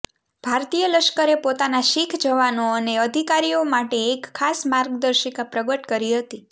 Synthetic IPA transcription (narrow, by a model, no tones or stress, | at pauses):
bʱaɾt̪ijələʃkəɾepot̪anaʃikʰd͡ʒəʋanoəneəd̪ʱikaɾijomaʈeːkʰːasmaɾɡd̪əɾʃikapɾəɡəʈkəɾiɦət̪i